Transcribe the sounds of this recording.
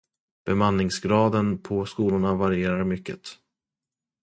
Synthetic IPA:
b̥ɛmanːɪŋsɡɾɑːd̪ənpʰɔskuːlʊɳavaɾɪeːɾaɾmʏkːə̰t̪

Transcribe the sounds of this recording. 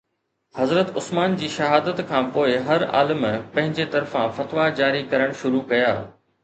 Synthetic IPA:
hɐzɾət̪ʊsmaːnd͡ʑiːʃɐɦaːd̪ət̪kʰãːpoːɪɦɐɾa̰ːləmpɐ̃ɦɪ̃ɲd͡ʑet̪ɐɾfãfɐt̪ʋad͡ʑaːɾikɐɾəɽ̃ʃʊɾukɐjaː

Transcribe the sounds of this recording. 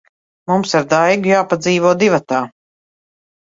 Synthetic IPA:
mumsaɾd̪ajɡujaːpad̪ziːvɔɔd̪ivat̪aː

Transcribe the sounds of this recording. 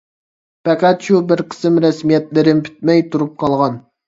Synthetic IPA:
pɛqæt̪ʃubɪɾqʰə̥sɪmɾɛsmijɛt̪lɪɾɪnpʰy̥t̪̚mɛjt̪ʰuɾup̚qʰɑlˠʁɑn

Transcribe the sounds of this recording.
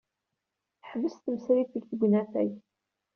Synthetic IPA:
θħvəst̪əmsɾiθəɡθɡʷnæθæj

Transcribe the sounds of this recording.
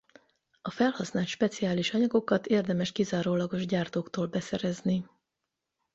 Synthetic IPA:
ɒfɛlhɒsnaːlt̪ʃpɛt̪sijaːliʃɒɲɒɡo̞kɒt̪eːrd̪ɛmɛʃkizaːɾoːlɒɡo̞ʒɟaːrt̪oːkt̪oːlbɛsɛɾɛzni

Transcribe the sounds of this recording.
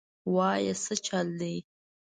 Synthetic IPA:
wɑjasət͡ʃald̪əj

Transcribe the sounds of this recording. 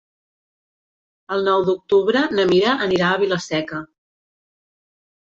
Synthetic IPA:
əlˠnɔwd̪uk̚t̪uβɾənəmiɾəʔəniɾaəβiləsɛkə

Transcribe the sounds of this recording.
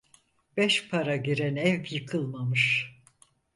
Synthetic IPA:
b̥ɛʃpʰaɾaɟiɾænɛvjɯkʰɯlˠmamɯʃ

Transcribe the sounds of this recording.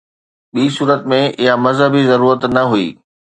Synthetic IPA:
ɓiːsuːɾət̪mẽɪɦamɐzɦəbizɐɾuːɾət̪nɐɦuḭː

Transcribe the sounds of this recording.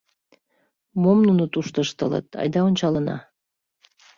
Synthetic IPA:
momnunot̪uʃt̪əʃt̪ələ̰t̪ɑ̰jd̪ɑonʲt͡ɕɑlənɑ̰

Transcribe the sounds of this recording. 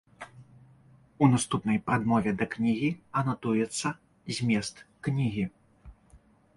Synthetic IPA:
unast̪upnɐjpɾad̪mɔvʲɛd̪ɐknʲiɣʲiɐnat̪ujɛt̪sːɐ | zʲmʲɛst̪knʲiɣʲi

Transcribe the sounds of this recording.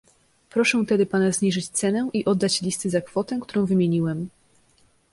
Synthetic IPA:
pɾɔʂɛt̪ɛd̪ɘpanazɲiʐɘt͡ɕt̪sɛnɛʔiʔɔd̪ːat͡ɕlʲist̪ɘzakfɔt̪ɛkt̪uɾɔ̃w̃vɘmʲjeɲiwɛm

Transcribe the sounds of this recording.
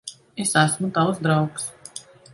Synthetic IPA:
esæsmut̪awsd̪ɾawks

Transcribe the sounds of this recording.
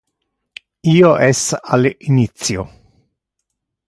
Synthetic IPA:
iːoʔɛsalinit̪sjo

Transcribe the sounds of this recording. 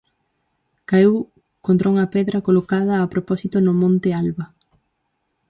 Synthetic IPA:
kaew | kont̪ɾauŋɐpɛðɾɐkolokað̞ɐːpɾopɔsit̪ʊnʊmõnt̪ɪalβɐ

